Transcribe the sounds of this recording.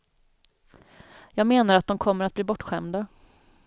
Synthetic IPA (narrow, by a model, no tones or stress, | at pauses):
jɑːɡmeːnaɾat̪̚d̪ɔmkʰɔmːəɾat̪bliːbɔʈːɧɛmd̪a